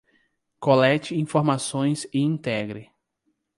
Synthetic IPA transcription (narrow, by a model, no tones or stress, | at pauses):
kolɛt͡ʃɪĩfoɾmasõj̃sɪĩnt̪ɛɡɾɪ